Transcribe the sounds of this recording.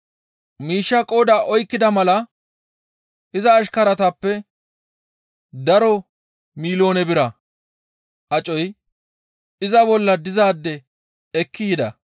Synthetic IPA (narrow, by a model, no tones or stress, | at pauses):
miːʃːɐkʼoːd̪aːʔɔjkːɪd̪ɐmɐlɐ | ʔɪzɐːʃkɐɾɐt̪ɐpːɛ | d̪ɐɾɔ | miːlo̞ːnɛbɪɾɐ | ʔɐt͡ʃʼɔj | ɪzɐbɔlːɐd̪ɪzaːd̪ːɛ | ɛkʰːɪjɪd̪ɐ